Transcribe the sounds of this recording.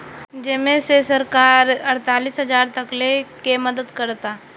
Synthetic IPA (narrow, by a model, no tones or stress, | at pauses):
d͡ʒɪmẽsesɐɾkaːɾɐɾt̪aːliːsɦɐd͡ʒaːɾt̪ɐklekemɐd̪əd̪kɐɾt̪aː